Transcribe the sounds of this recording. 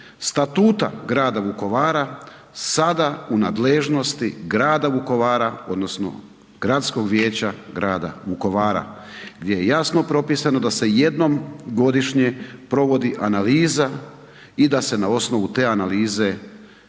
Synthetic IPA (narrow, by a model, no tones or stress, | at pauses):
st̪at̪uːt̪a̰ɡɾaːd̪aʋuko̞ʋaːɾa | sad̪aunaːd̪leʒno̞st̪iɡɾaːd̪aʋuko̞ʋaːɾao̞d̪no̞sno̞̰ | ɡ̥ɾat̪sko̞ɡʋjeːt͡ɕaɡɾaːd̪a̰ʋuko̞ʋaːɾa̰ | ɡd̪ʲje̞jejasno̞pɾo̞piːsano̞d̪ase̞je̞d̪no̞mɡo̞d̪iʃɲe̞pɾo̞ʋo̞d̪iʔanaliːza | id̪ase̞nao̞sno̞ʋut̪e̞ːanaliːze̞